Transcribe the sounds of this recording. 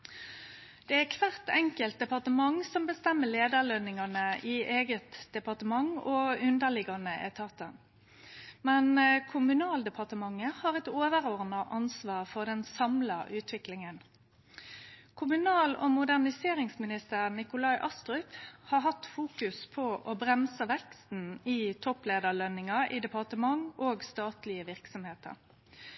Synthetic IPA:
d̪̥ɛækʰʋæʁt̪ɛŋkəlt̪̚d̪ɛpɑʁt̪əmɑŋsɔmbəst̪ɛmːəleːd̪əlœnɪŋɑnəiʔeːɡət̪d̪̥ɛpɑʁt̪əmɑŋoːʉnd̪əʁlɪɡɑnəʔɛt̪ʰɑːt̪ən | mɛnkʰʊmʉnɑːld̪ɛpʰɑʁt̪əmɑŋːəhɑːʁɛt̪oːʋəʁoːʁnəʔɑnsʋɑːʁfɔʁd̪ɛnsɑmlɑʔʉːt̪ʰʋɪklɪŋən | kʰʊmʉnɑːlɔ̰mʊd̪æʁnɪseːʁɪŋsmɪnɪst̪əʁnɪkʊlɑɪʔɑst̪ʁʏphɑːɦɑt̪fuːkʉspʰɔʔɔbʁɛmsəʋɛkst̪n̩iːt̪ʰɔpleːd̪əʁɭœnːɪŋɑʔɪd̪ɛpʰɑʁt̪əmɑŋoːɡst̪ɑːt̪lɪəʋɪʁksɔmheːt̪ə̰ɾ

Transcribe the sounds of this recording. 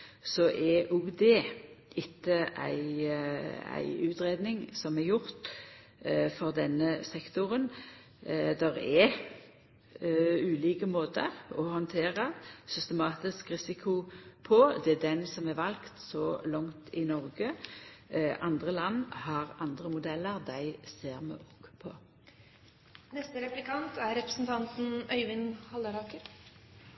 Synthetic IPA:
sɔʔɛʊɡd̪ɛʔɪt̪ːəʔæ̰ɪ | æ̰ɪʉːt̪ɾeːd̪nɪŋsɔmɛɾjʊʁt̪ | fɔʁd̪ɛnːəsɛkt̪ʊɾən | d̪ɛɾɛ | ʉːliːkəmoːt̪əɔhɔnt̪ʰeːʁəsʏst̪əmɑːt̪ɪskʁɪsɪkʰʊpʰɔd̪ɛæd̪ɛnsɔmæʋɑlkt̪sɔlɑŋt̪ʰɪnɔʁɡə | ʔɑnd̪ʁəlɑnːhɑʁɑnd̪ʁəmʊd̪ɛlːəʁd̪æɪseːʁmɛ̰ɔkːpʰɔ̰ | nɛst̪əɾɛplɪkɑnt̪æɾɾɛpɾəsn̩t̪ʰɑnt̪n̩œʏʋɪnhɑld̪əɾɑːkəɾ

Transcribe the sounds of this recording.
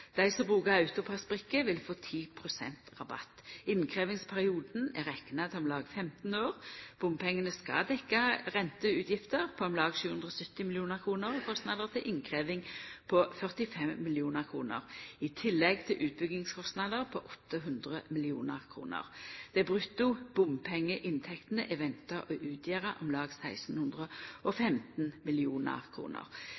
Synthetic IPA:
d̪̥æɪsɔmbʁʉːkəʁʉt̪ʊpʰɑsbʁɪkːəʋɪlfoːt̪ʰiːpʰʁʊsɛ̰nt̪ʁɑbɑ̰t̪ːɪnkʰʁeːʋɪŋspʰæʁɪuːd̪n̩æʁɛkːnɑt̪ʰɪɔmlɑːɡfɛmt̪n̩øːʁb̥ʊmpʰɛŋːənəskɑ̰d̪ɛkːɑʁɛnt̪əʉːt̪jɪft̪əʁpʰɔɑmlɑːɡʃʉːʉnd̪ʁɔsœt̪ːɪmɪlɪuːnəʁkʰʁuːnəʁɔkʰɔst̪nɑd̪əʁt̪ʰɪlʔɪnkʰʁeːʋɪŋpʰɔfœʁt̪ɪfɛmːɪlɪuːnəʁkʰʁuːnə̰ʁɪt̪ʰɪlːɛɡt̪ʰɪlʔʉːt̪̚bʏɡɪŋskʰɔst̪nɑːd̪əʁpʰɔʔɔt̪ːəɦʉnd̪ʁəmɪlɪuːnəʁkʰʁṵːnə̰ʁd̪̥ɛbʁʉt̪ːʊb̥ʊmpʰɛŋːəʔɪnt̪ʰɛkt̪nəʔɛʋɛnt̪əʔɔʔʉːt̪ʰjeːʁəʔɔmlɑːɡsæɪsn̩hʉnd̪ʁəɔfɛmt̪nmɪlɪuːnə̰ʁkʰʁṵːnə̰ʁ

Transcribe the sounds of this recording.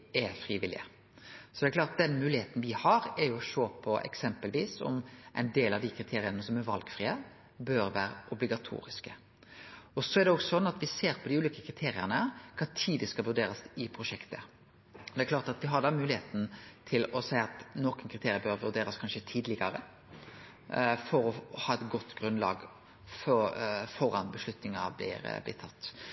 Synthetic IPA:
ɛfɾiːʋɪlɪ̰ə | sɔd̪ɛklɑːɾt̪̚d̪ɛnmʉːlɪheːt̪n̩ʋɪhɑɾɛɾjʊɔʂoːpʰɔɛ̰ksɛmpəlʋiːsɔ̰mʔæ̰ɪnd̪eːlɑʋd̪ɪkʰɾɪt̪ʰeːɾɪənəsɔmæɾʋɑlɡ̥fɾiːə | bøɾʋæːɾəʔɔblɪɡɑt̪ʰṵːɾɪskə | ɔsɔɛɾɖ̪ɛɔɡsɔnːɑt̪ʋɪseːɾpʰɔd̪ɪʉːliːkəkʰɾɪt̪ʰeːɾɪənəkʰɑt̪ʰiːd̪əskɑlʋʉɖ̪eːɾɑsɪpʰɾʊʂɛkt̪ə | ɔd̪ɛækʰlɑːɾt̪ɑt̪ʋɪɦɑd̪ɑmʉːlɪheːt̪n̩t̪ʰɪlɔsæɪɑt̪nɔkənkʰɾɪt̪ʰeːɾɪəbøɾʋʉd̪eːɾɑskʰɑnʂət̪ʰiːd̪lɪɡɑɾə̰ | fɔɾɔhɑːɛt̪ɡɔt̪ːɡɾʉnlɑ̰ːɡ | fɔfɔɾɑnbəʂlʉt̪nɪŋɑ̰blɪ̰ɾblɪ̰t̪ʰːɑt̪ː

